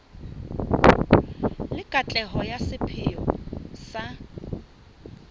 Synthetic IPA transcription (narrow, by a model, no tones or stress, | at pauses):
lɪkʼat͡ɬʼɛɦɔjasɪpʰɪɔsa